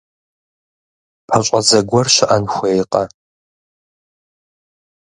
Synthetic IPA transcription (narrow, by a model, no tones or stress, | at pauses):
pʰɐɕʷʼɐzɐɡʷɔrʃɪʔɐnxʷeːjqʼɐ